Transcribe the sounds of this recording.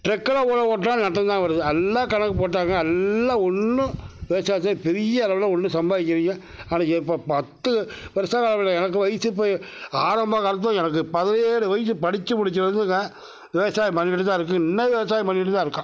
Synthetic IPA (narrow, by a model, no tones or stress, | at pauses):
ʈɾɛkːɪlɐoːlɐpoːʈ̬ːãːnɐʈ̬ːɐ̃nd̪ãːʋɐɾɐðɯɐlːaːkɐnɐkːɯp̬oːʈ̬ːaːŋɡɐɐlːaːɔnːɯ̃ʋɛʋɐsaːjsaːɾipɛɾɪjɐːlɐʋɪlɐɔnːɯ̃sɐmbaːʋɪkːɪɾɪŋɡɐ̃ | aːnaɛpːopɐt̪ːɯʋɛʋɐsaːjɐɭɐʋɯlɐ̃ɛnɐk̬ːɯʋɐjsɯp̬ːaːɾɐmbaːkɐɾɐt̪̬ːɔ̃ɛnɐk̬ːɯpɐðɐleːɽɯʋɐjsɯpɐɽɪt͡ʃːɯmʊɽɪt͡ʃːɯɾɐɾɯnd̪ɯŋɡɐ̃ | ʋɛʋɐsaːjipɐnːɪʈ̬ːɯt̪ãːɪɾɯk̬ːɯ̃ɪnːɐʋɛʋɐsaːjipɐnːɪʈ̬ːɯt̪ãːɪɾɯkːʊ̃